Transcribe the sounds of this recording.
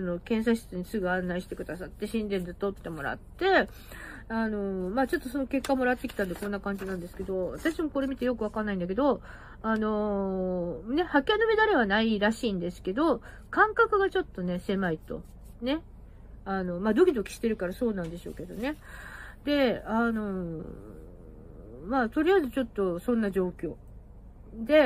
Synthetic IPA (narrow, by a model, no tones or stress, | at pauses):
ano̞kẽ̞ɰ̃s̬aɕɨ̥t͡sɨɲ̟isɨɡɯ̟ãnːaiɕi̥t̪e̞kɯ̟d̪asat̪ːe̞ɕĩnd̪ẽ̞nd͡zɨt̪ːo̞t̪ːe̞mo̞ɾa̰t̪ːe̞ | ano̞maːt͡ɕo̞t̪ːo̞so̞no̞ke̞kːamo̞ɾat̪ːekʲi̥t̪ãnd̪e̞kõ̞nːakãɲ̟d͡ʑinãnd̪e̞sɨ̥ke̞d̪o̞βat̪aɕimo̞ko̞ɾe̞mʲit̪e̞jo̞kɯ̟β̞akanːaĩnd̪ak̬e̞d̪o̞ | ano̞ | ne̞hakʲianomed̪aɾeβanaiɾaɕiːnd̪e̞sɨ̥ke̞d̪o̞ | kãŋkakɯ̟ɡat͡ɕo̞t̪ːo̞ne̞se̞mait̪o̞̰ | ne̞ | ano̞maːd̪o̞kʲid̪o̞kʲi̥ɕi̥t̪e̞ɾɯ̟kaɾaso̞ːnãnd̪e̞ɕo̞̰ːke̞d̪o̞ne̞ | d̪e̞ano̞ | maːt̪o̞ɾʲijazɨt͡ɕo̞t̪ːo̞sõ̞nːad͡ʑo̞ːkʲo̞ː | d̪e̞